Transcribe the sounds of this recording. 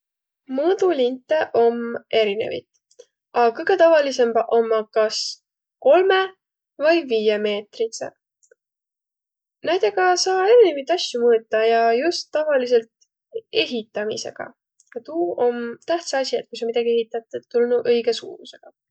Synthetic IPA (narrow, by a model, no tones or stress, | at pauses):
mud̪ulint̪ːˑeʔo̞me̞ɾinḛvḭt̪ˑ | ɑkɯjɡ̥e̞t̪ɑvɑlise̞mbʔomːɑkɑs | ko̞lme̞ | vɑjviːjeme̞ːt̪risḛ | næjd̪e̞ɡɑsɑːe̞ɾine̞vit̪ːˑɑsjumɤːt̪ːˑɑjɑjust̪ːɑvɑlis̬e̞lt̪ | e̞ɦit̪ːˑɑmḭse̞̰ɡ̥ɑ̰ | jɑt̪uːo̞mt̪æht̪seɑsʲiet̪̚kusomid̪ɑɡ̥ie̞ɦit̪ːˑɑt̪ːˑut̪ːulnuʔɤjɡ̥esṵːmuse̞ɡ̥ɑ